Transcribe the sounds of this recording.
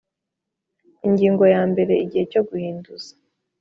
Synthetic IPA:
iɲɟiːŋɡo̞jaːmbe̞ɾe̞iɟihe̞co̞ɡuhiːnduz̥a

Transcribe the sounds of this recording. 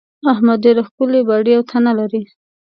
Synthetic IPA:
ahmad̪eɾaxkulebaɽiawt̪ʰanalaɾi

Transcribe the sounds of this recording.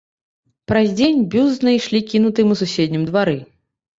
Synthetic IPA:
pɾɐzʲd͡zʲenʲbʲuznɐjʂlʲikʲinut̪ɨmususʲed̪ʲnʲimd̪vaɾɨ

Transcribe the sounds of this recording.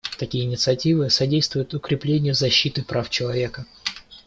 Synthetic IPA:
t̪ɐkʲijəɪnʲɪt̪sɨɐtʲivɨsɐdʲejst̪vʊjʊt̪ʊkɾʲɪplʲenʲɪjʊzɐɕːit̪ɨpɾʔaft͡ɕɪlˠɐvʲe̞kə

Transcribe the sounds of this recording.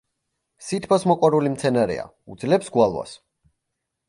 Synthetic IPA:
sit̪ʰpʰɔsmɔkʼwɔɾulimt̪sʰɛnaɾɛ̰a̰ | ud̪zlɛpsɡwalˠwa̰s

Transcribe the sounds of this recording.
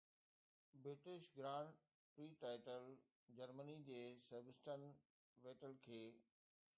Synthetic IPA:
bɾɪʈɪʃɡɾãːɳɖ | pɾiːʈaːɪʈəl | d͡ʑəɾmənid͡ʑeːseɾbɪsʈən | ʋeːʈəlkʰeː

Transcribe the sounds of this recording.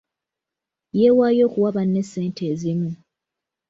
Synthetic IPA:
jeːwaːjo̞ːkuwaβanːe̞sːe̞ːntʰeːzimu

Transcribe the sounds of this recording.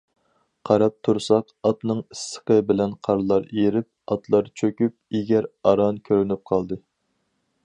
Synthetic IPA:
qʰɑɾɑp̚t̪ʰuɾsɑq | ɑt̪nɨŋisːə̥qəbɪlɛnqʰɑɾlˠɑɾejɾɪp̚ɑt̪ʰlˠɑɾt͡ʃʰøkʲyp̚eɡʲɛɾɑɾɑnkʲʰøɾɪnyp̚qʰɑlˠd̪ɨ

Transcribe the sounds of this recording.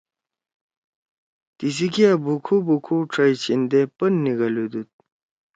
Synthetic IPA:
t̪is̬ikiabukʰubukʰuʈ͡ʂʰajt͡ɕind̪epənːiɡɐlud̪ut̪̚

